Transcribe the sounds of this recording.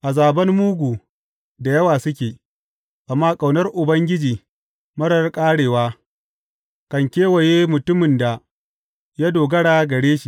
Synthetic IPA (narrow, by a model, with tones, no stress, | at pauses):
ʔa˨zaː˨bɐ˦nmuː˦ɡʷuː˨ | da˨jɐ˦waː˨sʊ˦kʲeː˨ | ʔa˨mːaː˦kʼa˨wnɐ˦rʔʊ˨bɐ˦ŋɡʲɪ˦d͡ʒiː˨ | mɐ˦ɽɐ˨rkʼaː˦ɽeː˨waː˦ | kɐ˨ŋkʲeː˦wɐ˨jeː˦mʊ˨tʊ˦mɪ˨nda˨ | jaː˦doː˨ɡɐ˦ɽaː˦ɡɐ˨ɽeː˦ʃi˨